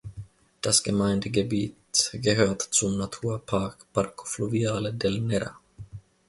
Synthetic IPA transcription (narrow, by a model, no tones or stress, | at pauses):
d̪̥asɡ̥əmaɪnd̪əɡəbiːt̪ɡəɦøːtt͡sʊmnat̪ʰuːɐpʰaːkpʰaɾkʰo̥fluviaːləd̪ɛlnɛɾa̰